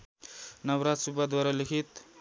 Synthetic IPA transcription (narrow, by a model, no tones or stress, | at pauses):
nɐwɾat̪subad̪waɾalikʰit̪